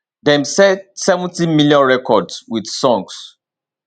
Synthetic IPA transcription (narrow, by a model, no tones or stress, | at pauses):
dɛ̃msɛtsɛvɔ̃ntimiljɔ̃nɹɛkʰɔdswidsɔ̃ŋs